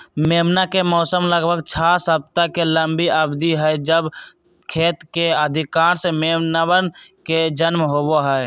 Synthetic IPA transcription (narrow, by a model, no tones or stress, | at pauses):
meːmnakemɔːsəmləɡbʱəɡt͡ʃʰasəb̚t̪akeləmbiʔəbd̪iɦɛed͡ʒəb | kʰeːt̪keəd̪ʱɪkaːɾsemeːmnawənked͡ʒənmɦoboɦɛe